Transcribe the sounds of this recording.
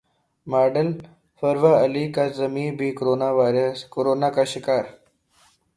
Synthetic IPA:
maːɖəl | fəɾʋaəlikazəmibʱiːkoɾonaʋaɾəskoɾonakaɕikaːɾ

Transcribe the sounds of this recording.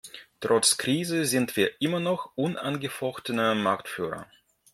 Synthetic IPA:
tʁ̥ɔt͡skʁ̥iːzəzɪntv̥iːɐʔɪmɐnɔxʔʊnʔanɡəfɔxtənəmaɐktfy̰ːʁɐ̰

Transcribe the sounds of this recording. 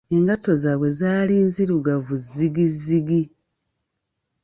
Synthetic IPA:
e̞ŋɡato̞zaːβwe̞zaːliːnziɾuɡavuzːiɡiziɡi

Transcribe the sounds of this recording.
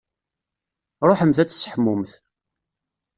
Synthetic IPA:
ɾˤoħəmθæt͡sːsħmːʊmθ

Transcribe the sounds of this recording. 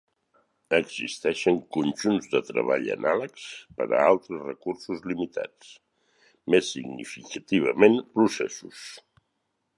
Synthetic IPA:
əɡz̥ist̪ɛʃəŋkunʲʒunzðət̪ɾə̰βaʎə̰nʔaləkspə̰ɾə̰alˠt̪ɾəsrəkursuzlimit̪a̰t͡s | mesːiɡnifikət̪iβ̞əmenpɾusɛ̰sus

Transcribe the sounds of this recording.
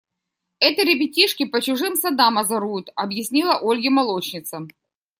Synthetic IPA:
ɛt̪əɾʲɪbʲɪtʲiʂkʲɪpət͡ɕʊʐɨmsɐd̪amɐzɐɾujʊt̪ɐbjɪsʲnʲilˠɐʔolʲɡʲɪmɐlˠo̞t͡ɕnʲɪt̪sə

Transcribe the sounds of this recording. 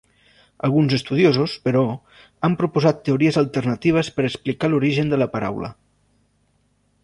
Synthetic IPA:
ə̰lˠɣunzəst̪uð̞jozuspəɾɔ | ampɾupuzat̪ːeuɾiəzəlˠt̪ərnət̪iβ̞əspəɾəksplikaluɾiʒənd̪ələpəɾa̰wlə̰

